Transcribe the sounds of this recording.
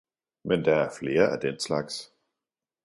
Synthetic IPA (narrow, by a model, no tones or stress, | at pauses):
mɛnd̥aːɛɐfleːɐɛɐd̥ɛnslaks